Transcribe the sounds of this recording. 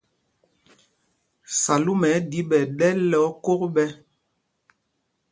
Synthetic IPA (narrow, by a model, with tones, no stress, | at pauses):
sa˨lu˦mɛ˨˦di˦ɓɛ˨ɗɛ˦lɔ˨˦ko˦kɓɛ˦